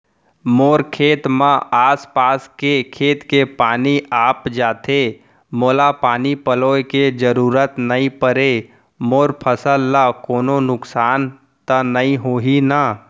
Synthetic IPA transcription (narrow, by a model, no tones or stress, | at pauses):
moːɾkʰeːt̪mãʔaːspaːskekʰeːt̪kepaːniʔaːpd͡ʒaːt̪e | moːlapaːnipəloːked͡ʒəɾuːɾət̪nəĩpəɾe | moːɾpʰəsəlːakoːnonʊksaːn | t̪ənəĩɦoːɦina